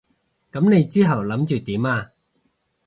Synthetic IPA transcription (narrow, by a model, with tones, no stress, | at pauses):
kɐ˨˥mne˨˧jt͡siː˥ɦɐ˨˩wlɐ˨˥mt͡ʃyː˨t̪iː˨˥maː˧